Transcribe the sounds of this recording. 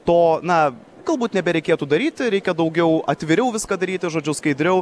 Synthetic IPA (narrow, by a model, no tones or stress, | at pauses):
t̪oːnɐ | ɡ̥ɐlˠbuːt̪nʲɛbʲɛɾʲɛɪkʲeːt̪uːd̪ɐɾʲiːt̪ʲɪɾʲɛɪkʲɛd̪ɐʊɡʲɛʊɐt̪ʲʋʲɪɾʲɛʊʋʲɪskɑːd̪ɐɾʲiːt̪ʲɪʒoːd͡ʒʲʊskɐɪd̪ʲɾʲɛʊ